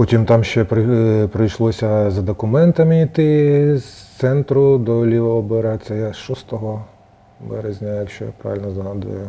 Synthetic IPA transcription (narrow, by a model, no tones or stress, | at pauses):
pɔtʲimt̪ɑmʃt͡ʃɛpɾpɾɪjʃlˠɔsʲɐzɐd̪ɔkʊmɛnt̪ɐmɪit̪ɪst̪sɛnt̪ɾʊd̪ɔlʲiʋɐɔbeɾɑt͡sʲːɐjaʃɔst̪ɔɦɔ | bɛɾezʲnʲɐjɐkʃt͡ʃɔja̰pɾa̰ʋʲilʲnɔzɦɑd̪ʊ̰jʊ